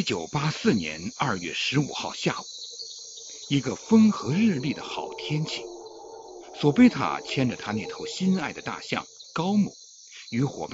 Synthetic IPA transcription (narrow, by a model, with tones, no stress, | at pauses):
i˥t͡ɕjo˨˩ʊpa˥sɹ̩˥˩njɛ̰˧˥nɐ˥˧ɥɛ̰˥˩ʂɻ̩˧˥ṵ˨˩xɑ˥˧ʊɕja̰˥˩u˨˩˦ | i˧˥ɡə˧fə˥ŋxɤ˧˥ɻɻ̩˥˧li˥˩d̪ə̰˩xɑ˨˩ʊt̪ʰjɛ˥nt͡ɕʰi˨˩ | swɔ˨˩pe˥˧ɪt̪ʰa̰˥t͡ɕʰjɛ˥nʈ͡ʂə˨˩t̪ʰa˥ne˥˩ɪt̪ʰo˧˥ʊɕi˥na˥˩ɪd̪ə˩t̪a̰˥˧ɕjɑ̰˥˩ŋkɑ˥ʊmṵ˨˩˦ | y˧˥xwɔ̰˨˩pa˥˩